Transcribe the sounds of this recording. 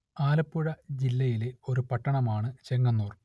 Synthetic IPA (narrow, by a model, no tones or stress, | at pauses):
aːlɐpːuɻɐd͡ʑilːɐjileo̞ɾupɐʈːɐɳɐmaːɳɨt͡ɕeŋːɐnːuːr